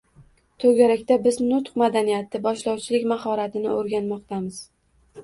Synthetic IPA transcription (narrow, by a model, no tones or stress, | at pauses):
t̪ʰɵɡʲaɾakʲt̪abɪznʊt̪qmad̪anijat̪ɪbɒʃlɒwt͡ʃʰɪlɪkʲmahɒɾat̪ʰɪnɪ̰oɾɡʲanmɒqt̪ʰamɪz̥